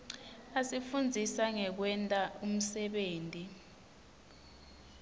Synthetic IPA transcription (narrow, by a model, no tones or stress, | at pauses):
asifund͡zʱisaŋɛk̬wɛntʼaum̩sɛɓeːntʼi